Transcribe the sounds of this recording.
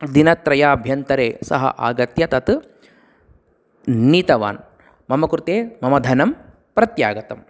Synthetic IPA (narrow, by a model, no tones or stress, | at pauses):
d̪inɐt̪ɾɐjaːɐbʱjɐnt̪ɐɾeːsɐ̰ɦɐ̰ʔaːɡɐt̪jɐt̪ɐt̪ | niːt̪ɐʋa̰ːn | mɐmɐkɾt̪eːmɐmɐd̪ʱɐnɐm | pɾɐt̪jaːɡɐt̪ɐm